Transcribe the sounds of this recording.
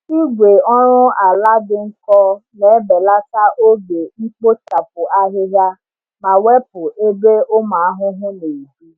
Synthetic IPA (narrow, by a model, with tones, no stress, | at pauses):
i˦ɡʷe˨ɔ˦ɾʊ̃˦a˨la˦dɪ˨ŋ̩˦kɔ˦nɛ˨˦bɛ˨la˦ka˦ʔo˦be˨i˦k͡po˦t͡ʃa˨p̚ʊ˨ʔa˦ɦɪ˦ɦja˦ | mã˨wɛ˦p̚ʊ˨ʔe˦be˦o˦mãː˨˦a˦ɦʊ˦ɦʊ̃˦ne˨i˨bi˦